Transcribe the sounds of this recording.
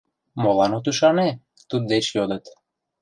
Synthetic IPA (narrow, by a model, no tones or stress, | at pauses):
molɑnot̪yʃɑne | t̪ud̪̚d̪eʃjod̪ət̪